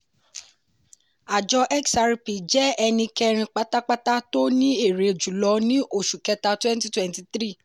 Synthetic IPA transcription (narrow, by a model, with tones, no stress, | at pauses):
a˨d͡ʒɔ˧ʔɛ˦ksa˧ɾi˦pi˨d͡ʒɛ˨˦ɛ˧nĩ˧kɛ˧ɾ̃ĩ˧k͡pa˦k͡pta˦k͡pa˦ta˦to˦nĩ˦e˦˨ɾe˨˦˨d͡ʒu˨lɔ˧˦nĩ˦ʔo˦˨ʃu˨kɛ˧˦ta˧twɛ̃˦n˦ti˦twɛ̃˦nti˧t̪ɾi˦˨